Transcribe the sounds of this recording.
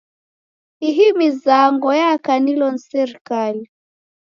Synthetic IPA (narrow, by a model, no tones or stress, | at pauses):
iɦimizaŋɡɔjakanilɔn̩sɛɾikali